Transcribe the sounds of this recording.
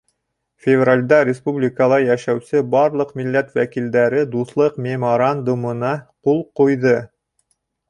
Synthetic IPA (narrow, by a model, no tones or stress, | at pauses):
fʲɪvralʲd̪ɑɾʲɪspublʲikəlˠɑjæʃæwsɘbɑɾlˠɤqmilːæt̪wækild̪æɾɘd̪uθlˠɤqmʲemoɾand̪umɤ̆nɑqulˠqujðɤ